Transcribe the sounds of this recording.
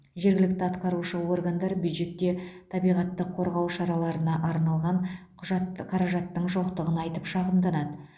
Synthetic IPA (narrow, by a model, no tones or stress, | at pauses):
ʒe̞ɾɡʲɪlɪk̚t̪ɪɑt̪qɑɾuʃəwo̞rɡand̪ɑɾbjud̪ʒe̞t̪ːe̞t̪ʰɑbijʁɑt̪ːəqʰːo̞ɾʁɑwʃɑɾɑlˠɑɾənɑʔɑɾnɑlˠʁɑɴɑqʰɑɾɑʒɑt̪ːəɴʒoqt̪əʁənɑjt̪əpʃɑʁəmd̪ɑnɑd̪ə